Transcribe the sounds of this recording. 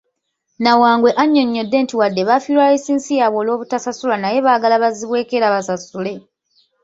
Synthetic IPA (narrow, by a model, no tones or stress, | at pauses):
nawaːŋɡwe̞ʔaɲːo̞ɲːo̞dːe̞ːntiwadːe̞βafilwaesiːnsijaβwo̞ːlo̞ːβutasasulanaje̞βaːɡalaβaziβwe̞ːke̞ɾaβasasule̞